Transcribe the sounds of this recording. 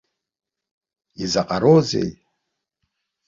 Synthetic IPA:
izaqʼaɾozḛj

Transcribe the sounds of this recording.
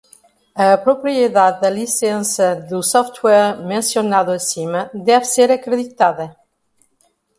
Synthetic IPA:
ɐpɾopɾieðad̪dɐlisensɐðusɔft̪wɛɾmẽnsjonaðoesiməd̪ɛvseɾakɾeðit̪aðɐ

